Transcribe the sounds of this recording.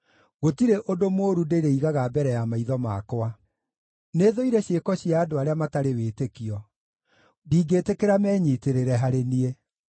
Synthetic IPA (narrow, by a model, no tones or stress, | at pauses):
ɣotiɾeʔodomoːɾudeɾeiɣaɣabɛɾɛjamaiðɔma̰kwa | neðoiɾɛɕekɔɕiaːdoaɾeamataɾeweːtekiɔ | diːɡetekeɾamɛːɲiːteɾeɾɛɦaɾenie